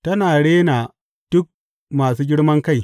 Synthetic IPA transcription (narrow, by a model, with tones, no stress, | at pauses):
tɐ˦naː˨ɽeː˦naː˨ | d̥ʊ˦k̚ | maː˨suː˦ɡʲɪ˦ɽmɐ˦ŋka˦j